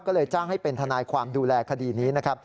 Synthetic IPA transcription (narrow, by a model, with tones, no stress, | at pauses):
kɔː˥˩lɤː˧jt͡ɕaː˥˩ŋha˥˩jpe˧nt̪ʰa˧naː˧jkʰwaː˧mduː˧lɛː˧kʰa˧diː˧niː˦˥na˦˥kʰa˦˥p̚